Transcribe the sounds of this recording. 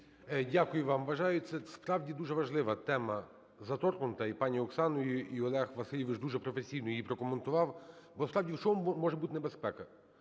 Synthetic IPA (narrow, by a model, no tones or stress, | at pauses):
ɛdʲakʊjʊʋɑmʋɐʒɑjʊt̪sɛspɾɑwdʲid̪uʒɛʋɐʒlˠɪʋɐt̪ɛmɐ | zɐt̪ɔrkɔnʊt̪ɐipɑnʲiɔksɑnɔjʊʔiɔlˠɛxʋɐsɪlʲiʋɪt͡ʃd̪uʒɛpɾɔfesʲijnɔjjipɾɔkɔment̪ʊʋɑwbspɾɑwdʲiwt͡ʃɔmumɔʒɛbut̪enebespɛkɐ